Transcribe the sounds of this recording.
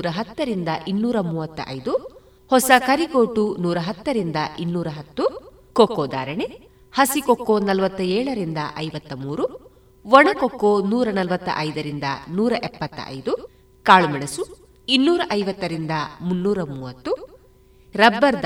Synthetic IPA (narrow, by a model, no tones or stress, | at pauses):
ɾɐɦɐt̪ːɐɾind̪ɐʔinːuːɾɐmuːʋɐt̪ːɐ̰ʔɐ̰jd̪u | hɔsɐkɐɾiɡoːʈunuːɾɐɦɐt̪ːɐɾind̪ɐʔinːuːɾɐɦɐt̪ːu | kokːoːd̪aːɾɐɳe | hɐsikokːoːnɐlʋɐt̪ːɐɛːɭɐɾind̪ɐʔɐjʋɐt̪ːɐmuːɾu | ʋɔɳɐkokːoːnuːɾɐnɐlʋɐt̪ːɐ̰ʔɐjd̪ɐɾind̪ɐ̰nuːɾɐʔɛpːɐt̪ːɐ̰ʔɐ̰jd̪u | kaːɭumɛɳɐsu | inːuːɾɐʔɐjʋɐt̪ːɐɾind̪ɐmunːuːɾɐmuːʋɐt̪ːu | ɾɐbːɐɾd̪